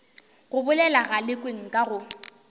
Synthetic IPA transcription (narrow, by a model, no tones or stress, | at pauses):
ɣʊbʊlɛlaɣalɪkʼweŋ̩kʼaɣʊ